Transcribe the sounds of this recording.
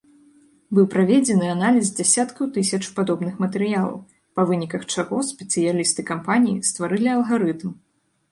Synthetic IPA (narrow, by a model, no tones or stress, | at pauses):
bɨwpɾavʲed͡zʲɛnɨanalʲizd͡zʲasʲat̪kɐwt̪ɨsʲɐt͡ʂpad̪ɔbnɨxmɐt̪ɛɾɨjalˠɐ̰w | pɐvɨnʲikɐxt͡ʂaɣɔsʲpʲɛt̪sɨjalʲist̪ɨkampanʲijḭst̪vaɾɨlʲiɐlˠɣaɾɨt̪m